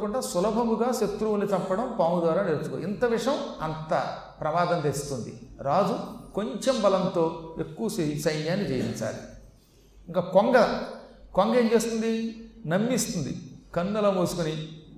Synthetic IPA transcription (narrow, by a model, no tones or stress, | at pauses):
kuɳɖaːsulɐbʱɐɡuɡaːʃɐt̪ɾuʋunit̪ɐmpɐɽɐmpaːmud̪ʋaːɾaːneɾɐt͡ʃu̥ko̰int̪ɐʋiʂjɐmɐnt̪ɐ | pɾɐmaːd̪ɐnt̪eːst̪und̪ḭɾaːd͡ʒuko̞ɲt͡ʃe̞mbɐlɐnt̪o̞ːe̞kːuʋɐssɐjnjaːnːit͡ʃeːjint͡sa̰ːli | iŋkaːkoŋɡɐkoŋɡɐeːmt͡ʃe̞ːst̪und̪inɐmːist̪und̪ḭkɐnːɐlɐmuːsu̥kuni